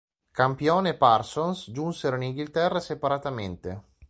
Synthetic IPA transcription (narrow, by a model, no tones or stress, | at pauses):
kampjɔːneparsonsd͡ʒunseɾoiniŋɡilt̪ɛrːasepaɾat̪ament̪e